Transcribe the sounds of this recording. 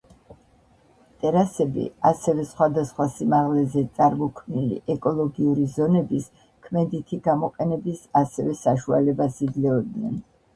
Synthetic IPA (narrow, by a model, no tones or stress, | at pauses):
t̪ʼɛɾasɛbḭasɛvɛsχwad̪asχwasimaʁlɛzɛt̪sʼaɾmɔkʰmnilḭʔɛkʼɔlˠɔɡiuɾizɔnɛbis | kʰmɛd̪it̪ʰiɡamɔqʼɛnɛbisasɛvɛsaʃua̰lɛbasid̪zlɛɔd̪̚nɛ̰n